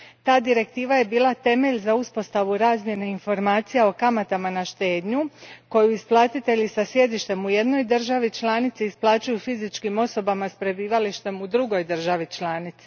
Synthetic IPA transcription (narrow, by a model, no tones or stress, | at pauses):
t̪aːd̪iɾe̞k̚t̪iːʋaje̞biːlˠat̪e̞me̞ʎzauspo̞st̪aʋuɾaːzmje̞ne̞info̞ɾmaːt̪sijeo̞kamat̪amanaʃt̪e̞ːd̪ɲuko̞juisplˠaːt̪it̪e̞ʎisasje̞d̪iʃt̪e̞muje̞d̪no̞jd̪ɨr̩ʒaʋit͡ʃlˠaːnit̪siisplˠaːt͡ʃujufizit͡ʃkimo̞so̞bamaspɾe̞biːʋaliʃt̪e̞mud̪ɾuɡo̞jd̪r̩ʒaʋit͡ʃlˠaːnit̪si